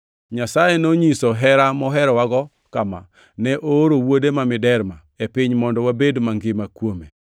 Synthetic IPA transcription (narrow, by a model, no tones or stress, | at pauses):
ɲasajenoɲisɔɦɛɾamɔɦɛɾɔwaɡɔ | kama̰ | nɛʔoɾowodemamɪdɛɾma | epɪɲmɔndɔwabedmaŋɡɪmakwome